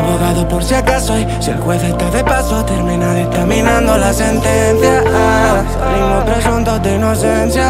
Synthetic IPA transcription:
βoɣaðopoɾsjakasoi | selkweθest̪aðepasot̪eɾmĩnaðet̪aminãnd̪olasent̪enθja | inopɾeʒunt̪od̪einosenθja

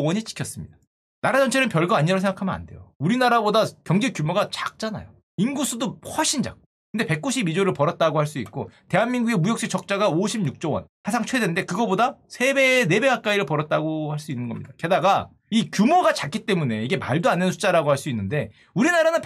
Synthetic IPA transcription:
wʌɲit͡ɕʰi̥kʰjʌs͈ɯmɲid̥a | naɾad͡ʑʌnt͡ɕʰeɯnpjʌɭɡoaɲiɾos̬ʰeŋɡakʰamʌna̰nde̞̰jouɾinaɾabodakjʌŋd͡ʑikjumoɡat͡ɕak̚t͡ɕ͈ana̰jo | inɡusʰudohwʌɕʰind͡ʑa̰k̚k͈okʰɯndepe̞k̚k͈uɕʰibid͡ʑoɾɯɭpʌɾʌt̚t͈aɡohaɭs͈uik̚k͈ote̞ɦanmiŋɡuɡemujʌk̚ɕ͈it͡ɕʰʌk̚t͡ɕ͈aɡaoɕʰibɲuk̚t͡ɕ͈ʌwʌ̰nhasʰaŋt͡ɕʰwe̞dennde̞kɯɡʌbodasʰe̞bene̞be̞kak͈aiɾɯɭpʌɾʌt̚t͈aɡohaɭs͈uinːɯnɡʌmɲḭd̥ake̞daɡa | ikjumoɡat͡ɕak͈ʰit͈e̞mune̞iɡe̞ma̰ɭdoanːensʰu̥t͡ɕ͈aɾaɡohaɭs͈uinːɯnde̞ | uɾinaɾanɯnp

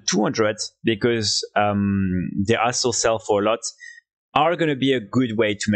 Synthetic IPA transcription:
tʰuhʌ̃ndɹədbɨkɔzʌmðiʔasl̩ˠsɛlˠfə˞əlɔt | ʔə˞ɡʌnɨbiɨɡʊd̚weɪtʰum

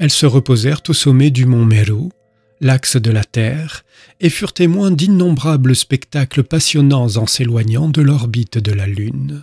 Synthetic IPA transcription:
ɛlsəʁəpozɛʁt̪osɔmɛd̪ymɔ̃meɾo | laksd̪əlat̪ɛʁ | efyʁt̪emwɛ̃d̪inːɔ̃bʁabləspɛkt̪akləpasjɔnɑ̃zɑ̃selwaɲɑ̃d̪əlɔʁbit̪d̪əlalyn

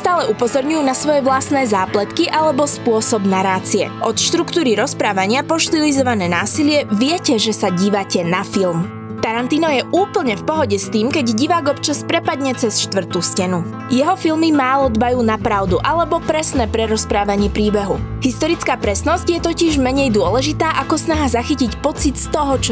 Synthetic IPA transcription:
st̪aːlɛupɔzɔɾɲujuːnasʋɔjɛʋlasnɛːzaːplɛt̪kiʔalɛbɔspʊɔsɔbnaɾaːt͡siɛʔɔt̪ʃt̪ɾukt̪uːɾiɾɔspɾaːʋaɲɪapɔʃt̪ilizɔʋanɛːnaːsilɪɛʋɪɛcɛʒɛsaɟiːʋacɛnafilm | t̪aɾant̪iːnɔjɛʔuːpl̩ɲɛfpɔɦɔɟɛst̪iːmkɛɟɟiʋaːɡɔpt͡ʃaspɾɛpad̪ɲɛt͡sɛsʃt̪ʋr̩t̪uːscɛnu | jɛɦɔfilmimaːlɔd̪bajuːnapɾaʊd̪uʔalɛbɔpɾɛsnɛːpɾɛɾɔspɾaːʋaɲɪɛːpɾiːbɛɦṵɦist̪ɔɾit͡skaːpɾɛsnɔzcjɛt̪ɔciʒmɛɲɛjd̪ʊɔlɛʒit̪aːʔakɔsnaɦazaxicicpɔt͡sit̪st̪ɔɦɔt͡ʃ

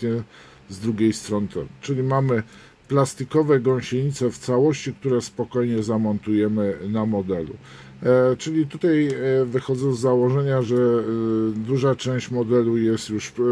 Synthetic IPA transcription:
ɲɛ | zd̪ɾuɡʲejst̪ɾɔnɘt̪ɛ̰mut͡ʂɘlʲimamɘ | plast̪ikɔvɛɡɔ̃w̃ɕeɲit̪sɛft̪sawɔɕt͡ɕik̚t̪uɾɛspɔkɔjɲɛzamɔnt̪ujɛmɘnamɔd̪ɛlṵ | t͡ʂɘlʲit̪ut̪ajvɘxɔd̪zɛ̃zːawɔʐɛɲaʐɛ | d̪uʐat͡ʂɛ̃w̃ɕt͡ɕmɔd̪ɛlujɛst̪juʂ

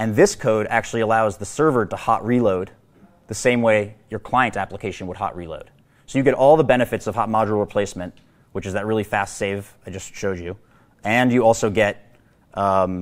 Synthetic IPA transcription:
ɨ̃nðɪskʰoʊɾæ̰k̚t͡ʃʉl̩ˠiəlaʊzðəsɜ˞və˞ɾəhɑ̰ʔ̚ɹiloʊd̪̚ | ðɨsẽɪ̃mweɪjə˞kʰl̥aɪɨ̃ntæpləkʰeɪʃɨ̃n̩wəd̚hɑ̰ʔɹilo̰ʊd̥ | soʊjɨɡɛɾʔɔlˠðəbɛñɨfɨtsʌv̥hɑt̚mɑd͡ʒɹəl̩ˠɹəpʰl̥eɪsmɨ̃nt | wɨt͡ʃɨzðɨt̚ɹɪlˠifæstseɪv | aɪd͡ʒʌstʃoʊd͡ʒʉ | ɨ̃njɨɔlˠsoʊɡɛt̚

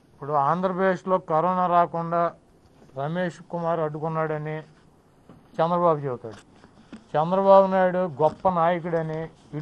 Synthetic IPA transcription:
ipːuɽuaːnd̪ɾɐpɾɐd̪eːʂlo̞ːkɐɾɔːnaːɾaːkuɳɖaː | ɾɐmeːʂkumaːɾɐɖukunːaːɽɐni | t͡ʃɛnd̪ɾɐbaːbut͡ʃebut̪aːɽu | t͡ʃɛnd̪ɾɐbaːbunaːjuɽuɡɔpːɐnaːjɐk̬uɽɐni | i

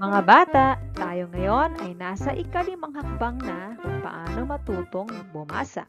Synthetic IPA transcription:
mɐŋabaːt̪aʔt̪aːjoŋɐjonɐjnaːsaʔikalimaŋɦɐk̚baŋnakʊŋpa̰ʔaːnomɐt̪uːt̪oŋnɐŋboma̰ːsa̰ʔ

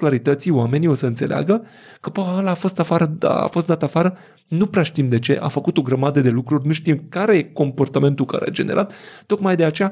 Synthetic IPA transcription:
klaɾit̪ət̪sioame̞nio̞səɨnt̪selea̰ɡə | kəbəəlaːfo̞st̪afaɾə̰a̰fost̪d̪at̪afaɾə | nupɾeaʃt̪imd̪e̞t͡ʃe̞̰ʔa̰fəkut̪o̞ɡɾəmad̪əd̪e̞lukɾurʲnuʃt̪imkaɾe̞je̞ko̞mpo̞rt̪ame̞nt̪ulka̰ɾḛa̰d͡ʒe̞ne̞ɾʔat̪ːo̞kmajd̪e̞at͡ʃe̞ja

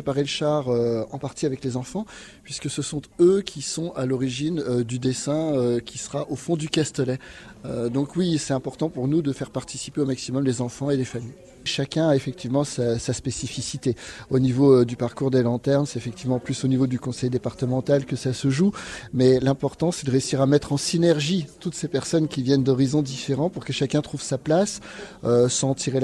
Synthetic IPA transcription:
pepaʁeləʃaʁøɑ̰̃paʁt̪iavɛklezɑ̃fɑ̃ | pɥiskəsəsɔ̃t̪økʲʰisɔ̃alɔʁiʒinød̪yd̪esɛ̃økʲisəʁaʔofɔ̃d̪ykʲast̪əlɛød̪ɔ̃kwisɛt̪ɛ̃pɔʁt̪ɑ̃puʁnud̪əfɛʁpaʁt̪i̥si̥peomaksimɔmlezɑ̃fɑ̃elefamij | ʃakʲɛ̃aefɛk̚t̪ʰivmɑ̃sasaspesifisit̪eonivod̪ypaʁkuʁd̪elɑ̃t̪ɛʁmsɛt̪efɛk̚t̪ivmɑ̃plysonivod̪ykɔ̃sɛjd̪epaʁt̪əmɑ̃t̪alkəsasəʒumɛlɛ̃pɔʁt̪ɑ̃sɛd̪əʁeysiʁamɛt̪χɑ̃sinɛʁʒit̪ut̪sepɛʁsɔnkʲivjɛnd̪ɔʁizɔ̃d̪ifeʁɑ̃puʁkəʃakʲɛ̃t̪χuvsaplas | øsɑ̃t̪ʰiʁel

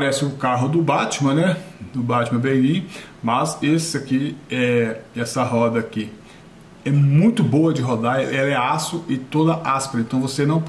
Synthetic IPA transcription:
aɾɛsɪʊkaɦʊd̪ʊbat͡ʃɪmɐ̃nɛd̪ʊbat͡ʃɪmɐ̃bejlĩʊ | mɐzesɪakiɛɛsɐɦɔd̪ɐkɪ | ɛmũj̃t̪ʊboɐd͡ʒɪɦod̪aʔɛlɐɛasʊʔɪt̪od̪ɐʔaspɾɐẽt̪ɐ̃w̃vosenɐ̃w̃

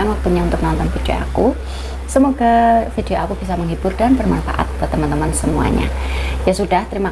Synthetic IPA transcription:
aŋwak̚t̪uɲaunt̪ʊk̚nant̪ɔnfidio̰a̰ku | səmoɡafideoakub̥is̬aməŋɦiburdanbərmanfa̰ʔa̰t̪̚bat̪əmant̪əmansəmua̰ɲa̰jasudaht̪əɾima

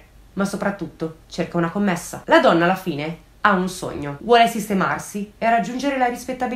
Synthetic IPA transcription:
masopɾat̪ːut̪ːot͡ʃerkaunakomːesːa̰lad̪ɔnːaːlːafiːne | aunso̰ɲːovwɔːlesist̪ema̰rsierad͡ʒːund͡ʒeɾelaɾispet̪ːabi

